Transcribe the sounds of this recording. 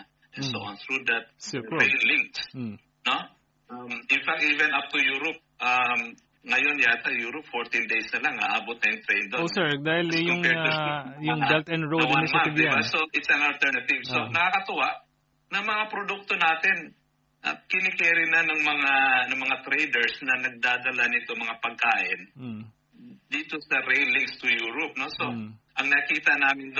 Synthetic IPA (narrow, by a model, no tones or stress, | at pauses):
ɛsoanθɹud̪ɐt̪̚sɛejd̪liŋt̪s | no | amɪnfak̚t̪̚ʔivɛnʔap̚t̪ujuːɾop̚ʔam | ŋɐjo̞njaːt̪ɐjuːɾopfoɹt̪ind̪ejsnɐlaŋɐʔaːbot̪̚nɐjʊŋt̪ɾɛjnd̪oosɛɹd̪aːhɪlɛjʊŋɛajʊŋbɛlt̪ɛnd̪ɹod̪nɐmad̪aassoʔɪt̪sɐnɐlt̪ɛɹnɐt̪ɪvsonɐkakɐt̪ʊwaʔ | nɐŋmɐŋapɾod̪uk̚t̪onaːt̪ɪn | ʔɐ̰kɪnɪkɛːɾɪnɐnɐŋmɐŋanɐŋmɐŋat̪ɾɛjd̪ɛɹsnɐnɐɡ̚d̪aːd̪ɐlanɪt̪omɐŋapɐɡ̚kaːʔɪn̩ | d̪iːt̪osɐɾɛlɪŋkst̪ʊjuːɾop̚noso̞ʔɐŋnɐkiːt̪ɐnaːmɪnd̪